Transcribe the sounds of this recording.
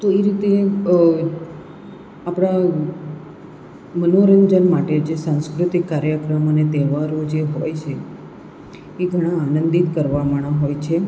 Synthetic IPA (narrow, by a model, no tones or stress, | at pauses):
t̪oeɾit̪e | apɽ̃a | mənoɾəɲd͡ʒənmaʈed͡ʒesãñskɾʊt̪ikːaɾjəkɾəmənet̪ɛʋaɾod͡ʒeɦojt͡ʃʰe | ɡʱəɽ̃ãːnənd̪it̪kəɾʋaməɳ̃aɦojt͡ʃʰe